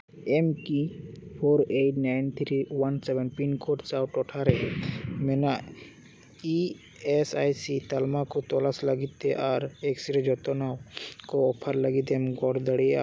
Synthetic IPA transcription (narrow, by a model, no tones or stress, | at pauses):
ɛmkipʰoɾeʈnajnt̪ʰɾiwansɛbɛnpinkʰoʈsawʈɔʈʰaɾɛmɛnaʔ | i | ɛsajsit̪almakɔt̪ɔlasləɡit̪̚ɛʔaɾɛksiɾɛd͡ʒɔt̪ɔnawkɔːpʰəɾləɡit̪̬ɛmɡɔɽd̪əɽia̰